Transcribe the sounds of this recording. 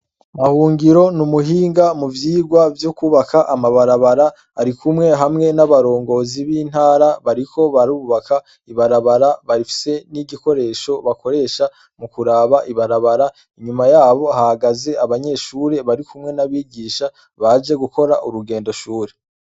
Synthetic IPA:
mahuːŋɡiɾo̞numuɦiːŋɡamuvjiːɡwavjukuβakʰaʔamaβaɾaβaɾaː | ɾikʰumŋe̞ɦamŋe̞naβaɾo̞ːŋɡo̞ziβiːn̥haːɾaβaɾikʰo̞βaɾuːβakʰa | iβaɾaβaɾaβaɾifi̥se̞niɟiko̞ɾe̞ːʃo̞βako̞ɾe̞ːʃa | mukuɾaβaʔiβaɾaβaɾa | iɲumajaːβo̞hahaɡaze̞aβaɲe̞ʃuːɾe̞βaɾikʰumŋe̞naβiːɟiːʃa | βad͡ʒe̞ɡuko̞ɾaʔuɾuɡe̞ːndo̞ʃuːɾe̞

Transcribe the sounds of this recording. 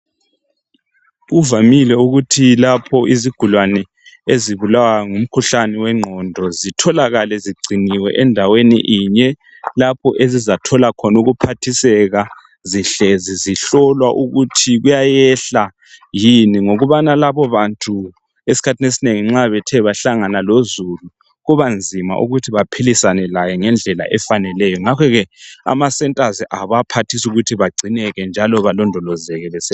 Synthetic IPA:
uvamilɛuɣutʰilapʰɔʔiziɡ̥ʱulwanɛ | eziβulawaŋum̩kʰuɬaniwɛŋ͡ǃʱɔndʱɔzitʰɔlaɣalɛziɡ͡ǀʱiniwɛ̰ʔɛndʱawenḭʔiɲɛ | lapʰɔʔezizatʰɔlakʰɔnuɣupʰatʰisɛɣa | ziɬɛziziɬɔlwaʔuɣutʰiɣujajɛɬa | jiniŋoɣuβanalaβɔβantʰʼu | esi̥kʰatʰinesineŋiŋ͡ǁaβɛtʰɛβaɬaŋanalozulu | ɣuβand͡zʱima̰ʔṵɣutʰiβapʰilisanɛlajɛŋɛnd͡ɮʱɛla̰ʔɛfanɛlɛjɔŋakʰɔɣɛa̰masɛntʼaziʔaβapʰatʰisuɣutʰiβaɡ͡ǀʱinɛɣɛnd͡ʒʱalɔβalɔndʱɔlɔzɛɣɛβɛsɛ

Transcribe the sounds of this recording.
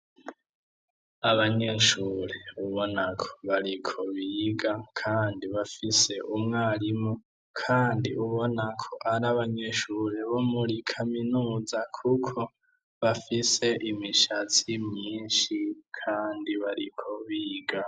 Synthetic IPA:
aβaɲe̞ʃuːɾe̞uβo̞nakʰo̥βaɾikʰo̞βiɡakʰaːndiβafise̞ʔumŋaːɾimu | kʰaːndiʔuβo̞nakʰo̞ʔaɾaβaɲe̞ʃuɾe̞βo̞muɾikʰaminuːzakʰukʰo̞ | βafise̞ʔimiʃat͡simɲiːnʃikʰaːndiβaɾikʰo̞βiɡa

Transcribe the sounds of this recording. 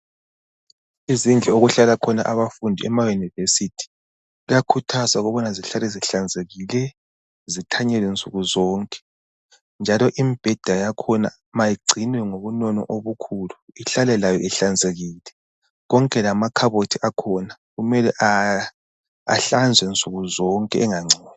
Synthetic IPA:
izind͡ɮʱɛoɣuɬalakʰɔna̰ʔaβafundʱiɛ̰majunivesitʰi̥ | ijakʰutʰasaɣɔβɔnaziɬalɛziɬand͡zʱeɣilɛ | zitʰaɲɛlint͡sʼuɣuzɔːŋkʼɛ̥ | nd͡ʒʱalɔʔimib̥ʱɛd̥ʱajakʰɔna̰ | majiɡ͡ǀʱinwɛŋoβunɔnɔ̰ʔoβukʰuːluiɬalɛlajɔɛɬand͡zʱeɣiːlɛ | ɣɔŋkʼɛlamakʰaβotʰiʔakʰɔna | ɣumɛlɛʔa | a̰ɬand͡zʱwɛnt͡sʼuɣuzɔŋkʼɛʔɛŋaŋ͡ǀʱɔːn

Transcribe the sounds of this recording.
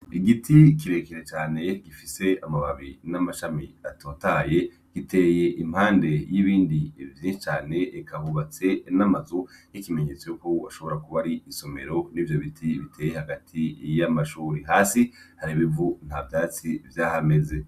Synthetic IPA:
iɡitʰikiɾe̞keɾet͡ʃaːne̞ɡ̥ifise̞amaβaβinamaʃamiatoːtaje̞ | ɡ̥ite̞ːje̞ʔim̥haːnde̞jiβiːndivjiːʃit͡ʃaːne̞ːkahuβat͡se̞namazujikime̞ɲe̞t͡sojukoaʃo̞βo̞ɾakuβaɾiːso̞me̞̰ɾo̞niːvjo̞βitʰiβitʰe̞ːjehaɡatʰijamaʃuːɾiɦaːsi | haɾiβivun̥havjaːt͡sivjaːhame̞ze̞

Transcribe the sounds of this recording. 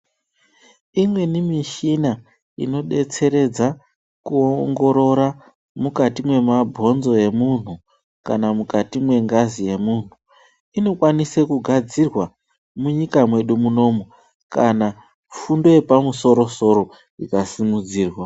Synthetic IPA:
imwe̞nimiʃina | ḭno̞ɗe̞t͡se̞ɾe̞d͡za | kuoŋɡo̞ɾo̞ɾa | mukatimwe̞mabʱo̞nzo̞je̞mun̤u | kanamukatimwe̞ŋɡazije̞muːn̤u | ino̞kwanisekuɡʱad͡zirwa | muɲikamwe̞ɗumuno̞mo | kana | fundo̞je̞pamuso̞ɾo̞so̞ɾo̞ | ikasimud͡ziːrwa

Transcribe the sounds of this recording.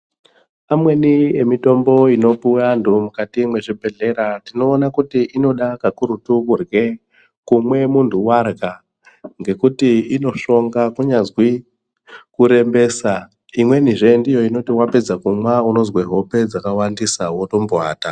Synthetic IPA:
amwe̞nie̞mito̞mbo̞ino̞puantumukatimwe̞ʐibʱe̞ɮe̞ɾatino̞ːnakutiʔino̞ɗakakuɾutukurɡe̞ | kumwe̞muntʰuwarɡa | ŋɡe̞kutiino̞ʃo̞ŋɡakuɲazwi | kuɾe̞mbe̞ːsa | imwe̞n̤iʐendijo̞ino̞tiwape̞d͡zakumwauno̞zweɦo̞pe̞d͡zakawandisawo̞to̞mboa̰ːta

